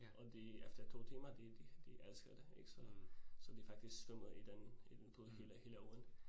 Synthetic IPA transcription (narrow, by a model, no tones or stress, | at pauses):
ʔɒ̽d̥eefd̥ɐt͡sʰo̝̰ːt͡sʰḛːmɐd̥ed̥id̥iʔælsɡ̥ɐd̥eeɡ̥sɒsɒd̥ifɑ̈ɡ̥̚d̥isɡ̥sd̥ɔmðˠid̥enid̥enpʰoðˠhḛːləhe̝ːləɒn̩